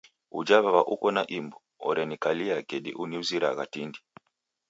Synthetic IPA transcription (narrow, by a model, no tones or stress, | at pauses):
ṵd͡ʒaβaβaʔukɔnaʔimbɔɔ̰ɾɛnikaliakɛdḭʔuniuziɾa̰ɣatindi